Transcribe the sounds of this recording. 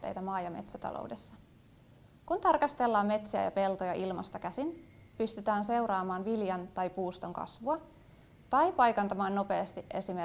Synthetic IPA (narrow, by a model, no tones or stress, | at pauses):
t̪ːejt̪æmɑːjɑme̞̰t̪sæt̪ɑ̰lʔo̰wde̞sːɑ | kunt̪ɑrkɑst̪e̞lːɑːmːe̞t̪siæ̰jɑ̰pe̞lt̪ojɑʔilmɑ̰st̪ɑkæsin | pyst̪yt̪æːnse̞wɾɑːmɑːnʋiljɑnt̪ɑjpuːst̪o̞ŋkɑ̰sʋuɑ | t̪ɑjpɑjkɑnt̪ɑmɑːnːo̞pe̞ːst̪iʔe̞sime